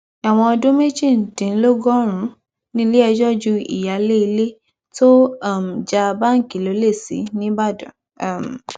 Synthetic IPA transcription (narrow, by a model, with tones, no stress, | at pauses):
a˨w̃ɔ̃˧ɔ˧dũ˦me˦d͡ʒi˦˨n̩˨tĩ˨n̩˦lo˦ɡɔ˦ɾ̃ũ˨˦ | nĩ˦le˦ɛ˧d͡ʒɔ˦d͡ʒu˧ḭ˨ja˨le˦i˧le˦ | to˦a˦˨m̩˨d͡ʒa˧ba˦ŋ̩˦˨ki˨lo˨˦le˦˨sḭ˨˦nĩ˦ba˦˨dɔ˨˦˨ | m˨